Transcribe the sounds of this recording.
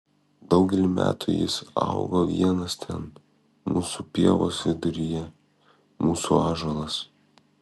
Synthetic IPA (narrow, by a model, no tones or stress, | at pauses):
d̪ɒʊɡʲɛlʲɪmʲæ̰ːt̪ʰʊjɪ̰sɑ̰ʊɡoːʋʲiɛnɐst̪ʲʰɛn | muːsupʲiɛʋo̰ːsʋʲɪd̪ʊɾʲɪjɛ | muːsuɑːʒolˠɐs